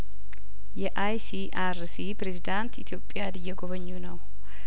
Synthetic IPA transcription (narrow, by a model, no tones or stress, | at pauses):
jɛʔajsi | aɾsipɾezid̪ant̪ḭt̪ʰjo̞pʼːɪjad̪ɨjːɛɡoβəɲːunəw